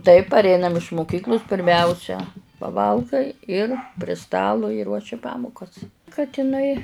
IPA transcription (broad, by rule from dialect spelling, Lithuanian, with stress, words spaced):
tɐɪp pɐrʲˈɛɪnɐm ɪʃ mʊˈkʲiːklˠʊs pʲɪrʲˈmʲæʊsʲɛ pɐˈʋɐlˠɡɐɪ ɪr pʲrʲɪ ˈstɑːlˠʊ ɪ ˈruɔʃʲɪ ˈpɑːmʊkɐs kɐt ɪˈnɐɪ